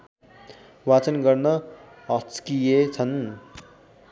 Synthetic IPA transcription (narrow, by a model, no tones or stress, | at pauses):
wat͡sʌnɡʌrnʌ | ɦʌt͡skijet͡sʰʌn